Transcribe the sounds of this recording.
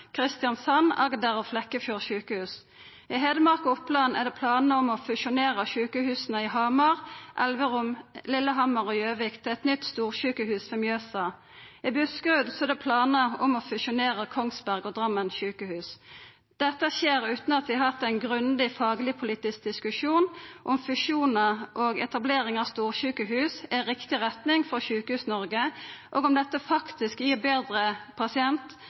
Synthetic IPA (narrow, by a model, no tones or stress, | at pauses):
kʰʁɪst̪jɑnsɑnɑ̰ɡd̪æʁɔflɛkːəfjuːʁʃʉːkəhʉːs | ɪɦeːd̪əmɑʁkɔʊplɑnæʁd̪ɛːpʰlɑːnəɔmɔfʉʃʊneːʁəʃʉːkəhʉːsənəɪɦɑmɑʁʔɛ̰lʋəʁʊmlɪlːəɦɑmɑʁɔjøːʋɪkt̪ʰɛt̪nʏt̪st̪uːʁʃʉːkəhʉːsfɔmjøːsɑ | ɪbʉskʁʉːd̪sɔɛd̪ɛpʰlɑːnəɔmɔːfʉʃʊneːʁəkʰɔŋsbæʁɡɔd̪ʁɑmːənʃʉːkəhʉːs | d̪̥ɛt̪ːəʃeːɾʉːt̪n̩ɑt̪ʋɪɦɑt̪ːæɪnɡʁʉnd̪ɪfɑːɡlɪpʰʊliːt̪ɪsk̚d̪ɪskʉʃuːnʔɔmfʉʃuːnəʔoɡɛt̪ɑbleːɾɪŋɑːʋst̪uːʁʃʉːkəɦʉːsæɾɪkt̪ɪʁɛt̪nɪŋfɔʃʉːkəhʉːsnɔɾɡəʔoːɡɔmd̪ɛt̪ːəfɑkt̪ɪskjɪːʁbeːd̪ɾəpʰɑsɪɛnt̪